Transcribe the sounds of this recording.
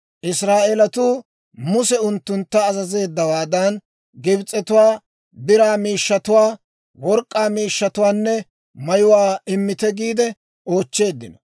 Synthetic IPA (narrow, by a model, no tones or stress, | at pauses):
ʔɪsɾaːʔelɐt̪uː | mʊsɛʊnt̪ːʊnt̪ːɐːzɐze̞ːd̪ːɐwaːd̪ɐn | ɡɪbt͡sʼːɛt̪ʊwaː | bɪɾaːmiːʃːɐt̪ʊwaː | wɔɾkʼːaːmiːʃːɐt̪ʊwaːnːɛ | mɐjʊwaːɪmːɪt̪ɛɡiːd̪ɛ | o̞ːt͡ʃːe̞ːd̪ːɪnɔ